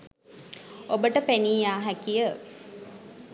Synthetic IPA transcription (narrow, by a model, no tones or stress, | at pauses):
obəʈəpeniːjaːɦækijə